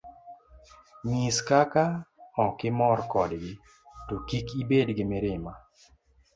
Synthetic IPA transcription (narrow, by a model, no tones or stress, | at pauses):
miskakaɔkɪmɔrkɔdɡɪ | tokikibedɡɪmɪɾɪma